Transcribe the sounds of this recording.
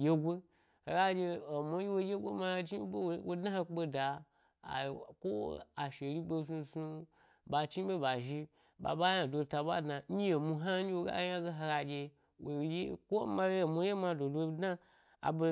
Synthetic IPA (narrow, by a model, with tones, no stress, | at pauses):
je˦ɡʷo˦ | ha˨˧ɡa˧d͡ʒe˧o˨mo˧˦ji˦wo˧je˦ɡʷo˦ma˧d͡ʒi˦bo˦wo˨˦wo˦dna˦ha˧k͡po˧da̰˨ | ko̰˦a˨ʃe˨ɾʲi˦bo˧zu˧zu˧ | ba˨t͡ʃi˦be˦ba˨ʒi˧ | ba̰˨ba˦ja˨dʷo˧ta˧ba˦dna˨ɲ˦je˨mu˧ɦa˦i˦wo˧ɡa̰˦ja˦ɡe˦ɦa˧ɡa˧d͡ʒe˧ | wo˨je˦kʷo˦ma˧e˦o˨mo˧˦je˦ma˧˨do˨do˧˦dna˦ | a̰˨bo˧